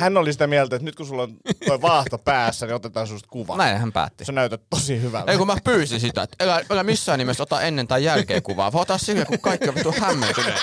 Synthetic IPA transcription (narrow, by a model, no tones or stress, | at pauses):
hænːolisit̪æmiælt̪æet̪nyt̪kusulːont̪oiʋɑːht̪opæːsːæniot̪et̪ɑːnsumːost̪kuʋɑ̰næˑinhæmpæ̰ːt̪ːisenæˑyt̪æt̪t̪osihyʋæ̰leˑikumæpyːsinsit̪æ̰et̪ːelæelæmisːæːnnimest̪ot̪ɑʔenːent̪ɑijjælkḛːŋkuʋɑ̰ːʋoˑot̪ɑssilkækukɑˑikːioʋit̪t̪uohhæmːḛnt̪ynḛ